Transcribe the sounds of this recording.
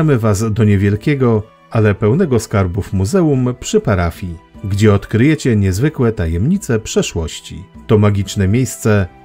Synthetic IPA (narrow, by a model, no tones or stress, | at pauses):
amɘvasd̪ɔɲɛvʲjɛlkʲɛɡɔ | alɛpɛwnɛɡɔskaɾbuvmuzɛumpʂɘpaɾafʲjiɡd͡ʑɛɔt̪kɾɘjɛt͡ɕɛɲɛzvɘkwɛt̪ajɛmɲit̪sɛpʂɛʂwɔɕt͡ɕḭt̪ɔmaɡʲit͡ʂnɛmʲjejst̪sɛ